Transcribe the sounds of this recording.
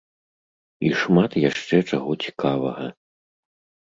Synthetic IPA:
iʂmat̪jaʂt͡ʂɛt͡ʂaɣɔt͡sʲi̥kʰavɐɣɐ

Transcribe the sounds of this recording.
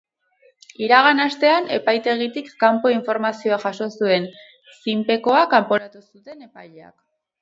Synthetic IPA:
iɾaɣ̞anast̪e̞ane̞̰pajt̪e̞ɣ̞it̪ikːampo̞iɱfo̞ɾmasio̞aʝaso̞sue̞n | simpe̞ko̞akampo̞ɾat̪usut̪e̞ne̞pajʎea̰k

